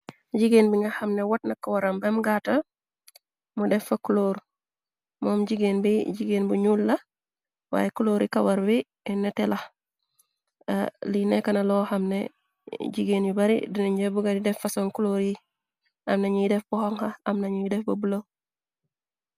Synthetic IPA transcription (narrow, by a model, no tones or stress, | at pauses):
ɟiɡeːnbiŋɡahɐmnewatnɐkawaɾambɐmɡatɐ | mudɛɱfɐkuloːɾ | mɔːmɟiɡeːnbiɟiɡeːnbuɲuːlːɐ | wa̰ːjekuloːɾikɐwaɾbi | netɛlɐh | linekɐnɐlɔhamnḛ | ɟiɡeːnjibaɾḭdinuɲɟabuɡadidɛfɐsoŋkuloːɾji | ɐmnaɲujidɛfbuhɔŋhaɐmnɐɲujidɛfbɐbulo